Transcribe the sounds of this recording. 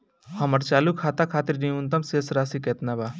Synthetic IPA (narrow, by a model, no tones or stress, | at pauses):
hɐmɐɾt͡ʃaːlukʰaːt̪akʰaːt̪iɾniunt̪ɐmseːsɾaːsiket̪nabaː